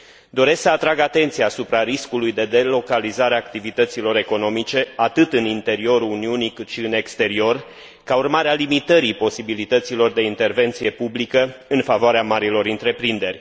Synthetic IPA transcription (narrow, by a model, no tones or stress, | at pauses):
d̪o̞ɾe̞sksəat̪ɾaɡat̪e̞nt̪sijaːsupɾaɾiskulujd̪e̞d̪e̞lo̞kalizaɾeaːk̚t̪ivit̪ət̪silo̞ɾe̞ko̞no̞mit͡ʃe̞at̪ɨt̪ɨnint̪e̞ɾio̞ɾuniunikɨt̪ʃiɨne̞kst̪e̞ɾio̞r | kaurmaɾealimit̪əɾipo̞sibilit̪ət̪silo̞rd̪e̞int̪e̞rve̞nt̪sije̞publikəɨnfavoaɾeamaɾilo̞ɾɨnt̪ɾe̞pɾind̪e̞rʲ